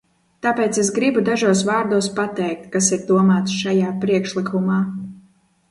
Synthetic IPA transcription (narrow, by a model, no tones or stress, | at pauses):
t̪aːpeːt̪ses̬ɡɾibud̪aʒuɔs̬vaːɾd̪uɔspat̪ɛjk̚t̪kasiɾd̪uɔmaːt̪sʃajaːpɾiɛkʃlˠikʰumaː